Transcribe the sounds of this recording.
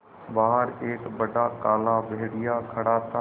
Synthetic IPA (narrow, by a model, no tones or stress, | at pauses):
baːɦəɾeːkbɐɖʱakaːlabeːɽɪjakʰɐɽaːt̪ʰa